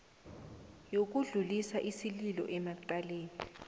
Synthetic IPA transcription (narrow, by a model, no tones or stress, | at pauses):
jok̬uɮulisaʔisililɔ̰ʔɛmaǃaleːni